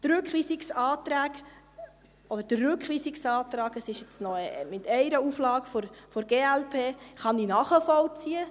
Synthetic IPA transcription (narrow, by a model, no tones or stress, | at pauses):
t̪ɾʉkχʋiːsɪksɑːt̪ɾæːɡ | ɔd̪əɾd̥ərːʉkχʋiːsiksɑːt̪ɾɑːɡəsɪʃjɛt͡snɔmɪtɛɪɾəuflɑːɡfɔɾfɔɾɡeːælpʰeːχɑndinɑχəfɔwt͡siə